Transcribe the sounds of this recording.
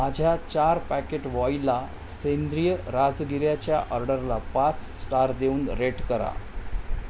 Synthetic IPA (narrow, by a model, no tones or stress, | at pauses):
mad͡ʑʱjat͡ɕaɾpækeʈʋɔila | send̪ɾijəɾad͡zɡiɾjat͡ɕjaʔəɾɖəɾlapat͡ssʈaɾd̪euːnɾeʈkəɾa̰